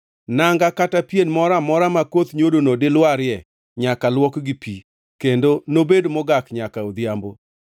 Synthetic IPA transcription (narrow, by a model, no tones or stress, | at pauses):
naŋɡakatapjenmɔɾamɔɾamakot̪ɲodonodɪlwaɾɪjɛ | ɲakalwɔkɡɪpi | kendonobedomɔɡakɲakaod̪jambo